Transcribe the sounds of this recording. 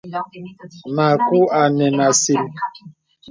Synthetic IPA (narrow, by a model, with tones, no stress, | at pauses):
na˨kʊ˦a˨nɛ˨na˨si˨ɾi˨